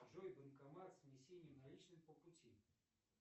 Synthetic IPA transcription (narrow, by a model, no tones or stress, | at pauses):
ʐɔjbɨnkamat̪sʲmʲɪsʲenʲjunalʲit͡ʃnɨmʲpəput͡sʲi